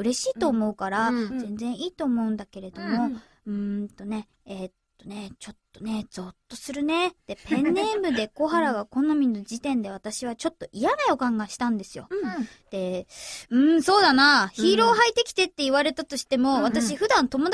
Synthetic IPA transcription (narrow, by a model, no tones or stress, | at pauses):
ɯ̟ɾe̞ɕiːt̪o̞ːmo̞ɯ̟kaɾazẽ̞nd͡zẽ̞ɰ̃ʔiːt̪o̞ːmo̞ɯ̟̃nd̪ake̞ɾe̞d̪o̞mo̞ | ɯ̟̃t̪o̞ne̞ | et̪ːo̞ne̞t͡ɕo̞t̪ːo̞ne̞d͡zo̞t̪ːo̞sɨɾɯ̟ne̞d̪̥e̞pẽ̞nːẽ̞mbɯ̟d̪e̞ko̞ɦaɾaɡako̞no̞mʲinːo̞d͡ʑit̪ẽ̞nd̪e̞β̞at̪aɕiβ̞at͡ɕo̞t̪ːo̞ʔijanao̞kãŋɡaɕi̥t̪ãnd̪e̞sɨjo̞̰ | d̪̥e̞ɯ̟̃ɴso̞ːd̪anaçiːɾo̞ːɦait̪ːe̞kʲi̥t̪e̞t̪ːe̞iβaɾe̞t̪at̪o̞ɕi̥t̪e̞mo̞βat̪aɕiɸɯ̟d̪ãnt̪o̞mo̞d̪